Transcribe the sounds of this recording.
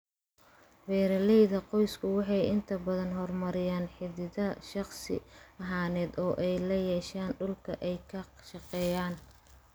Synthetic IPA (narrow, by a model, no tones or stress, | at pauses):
wɛːɾɐlɛjðɐqɔjskʰʊwɑħɑjɪnt̪ʰɐbɐðɐnɦɔrmɐɾɪjaːnħɪðɪðɐʃɑχsɪ̰ɐɦaːnɛːd̪ɔːʔɛjlɐjɛːʃaːnɖʊlkʰɐʔɛjkʰɐʃɑqɛːjaːn